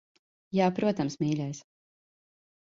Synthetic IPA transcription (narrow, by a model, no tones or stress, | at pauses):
jaːpɾuɔt̪amsmiːlʲɛjs